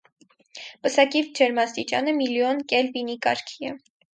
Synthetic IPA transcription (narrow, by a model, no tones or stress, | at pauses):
pəsɑkivd͡ʒɛɾmɑst̪it͡ʃɑ̰nəmiljɔnkɛlvinikɑ̰ɾkʰiɛ